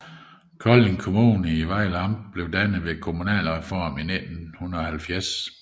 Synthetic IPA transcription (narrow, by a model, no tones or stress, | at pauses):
kʰɒleŋkʰomuːnəiʋɑ̈ɪ̰lɑm̥b̥le̝ʊd̥ænəð̩ˠʋe̝kʰomunɛ̰ːlʁɛfɒ̰ːmine̝d̥n̩hunðɐɒ̽hælfjæɐs